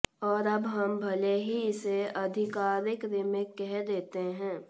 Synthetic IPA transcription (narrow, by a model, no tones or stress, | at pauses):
ɔːɾɐbɦɐmbʱɐleɦiɪseɐd̪ʱɪkaːɾɪkɾɪmekɛɦd̪eːt̪eɦɛ̃ː